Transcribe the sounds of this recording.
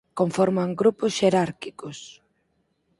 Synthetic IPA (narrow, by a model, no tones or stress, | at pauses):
koɱfɔɾmaŋɡɾupʊsʃeɾaɾkikos